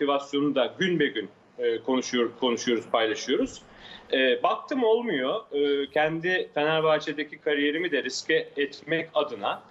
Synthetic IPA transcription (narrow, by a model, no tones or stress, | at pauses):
ot̪ʰivasjo̞nud̪aɟynbɛɟʲynː | kʰonʃkʰo̞nuʃujo̞ɾuz̥pʰajlˠaʃɯjo̞ɾuz̥ | ɛːbak̚t̪ʰɯmo̞lˠmujo̞ːcʰɛnd̪ifenæɾbaːt͡ʃʰed̪ecʰikʰaɾije̞ɾimid̪ɛɾiscʰɛɛt̪mɛcad̪ɯna